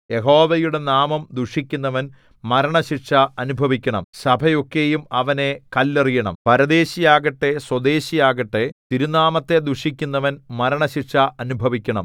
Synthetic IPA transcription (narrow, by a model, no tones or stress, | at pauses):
je̞ɦo̞ːʋɐjuɽe̞naːmɐmd̪uʂikʲːunːɐʋɐn | mɐɾɐɳɐɕiʂɐɐnubʱɐʋikʲːɐɳɐ̰msɐbʱɐjo̞kːe̞jumɐʋɐnekɐlːerijɐɳɐ̰mpɐɾɐd̪e̞ːɕijaːɣɐʈːe̞swɐd̪e̞ːɕijaːɣɐʈːe̞t̪iɾunaːmɐt̪ːe̞d̪uʂikʲːun̪ːɐʋɐnmɐɾɐɳɐɕirʂɐʔɐnubʱɐʋikʲːɐɳɐ̰m